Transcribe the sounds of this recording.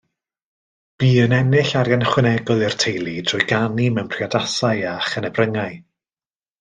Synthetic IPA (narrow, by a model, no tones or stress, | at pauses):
b̥iːənɛnɪɬaɾjanχwɪnɛɡɔlˠɪr̥tʰejlˠid̥ʰr̥ʊːjɡanimɛwnpʰr̥iadasajaχənɛbrəŋaɨ